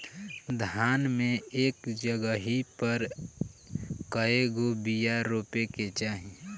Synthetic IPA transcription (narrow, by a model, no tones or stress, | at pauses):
d̪ʱaːnmẽeːkd͡ʒəɡəɦipəɾ | kəeɡobijaɾoːpeket͡ʃaːɦi